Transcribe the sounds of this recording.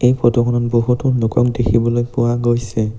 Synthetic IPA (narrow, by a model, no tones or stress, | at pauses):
ejpʰɔtɔkʰɔnɔnboɦutʊnʊkɔk̚dekʰibɔlojpʊwaɡojsɛ